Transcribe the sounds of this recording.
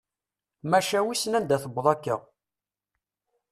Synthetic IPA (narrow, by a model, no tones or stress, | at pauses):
mæʃæwisnænd̪æθəbːəðˤækːə̰ʁ